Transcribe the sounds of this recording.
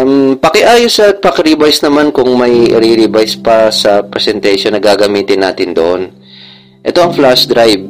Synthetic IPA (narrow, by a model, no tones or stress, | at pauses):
mpɐkɛʔaːjosɐpɐkɐɾibajsnɐmankʊŋmɐjʔɪ̰ɾiɾibajspɐsɐpɾɛsɛnt̪ɛjʃonːɐɡaːɡɐmiːt̪ɪnːa̰ːt̪ɪnd̪o̰ʔon | ʔɛt̪o̞ʔɐŋflasd̪ɾajb̚